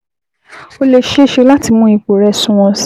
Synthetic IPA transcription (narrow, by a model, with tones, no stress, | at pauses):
o˧le˨ʃe˦ʃe˧˦la˦ti˧mũ˦i˧k͡po˨ɾɛ˧sũ˧˦w̃ɔ̃˧s